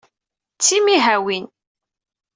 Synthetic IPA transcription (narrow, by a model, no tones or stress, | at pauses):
t͡sːimiɦæwin